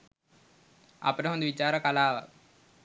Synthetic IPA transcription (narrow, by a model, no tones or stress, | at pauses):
ɐ̰pneɦond̪ʋit͡ʃaːɾəkɐlaːʋə̰